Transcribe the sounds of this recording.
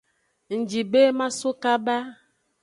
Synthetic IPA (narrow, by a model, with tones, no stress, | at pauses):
n̩˨d͡ʒi˨be˦ma˦so˦ka˦ba˦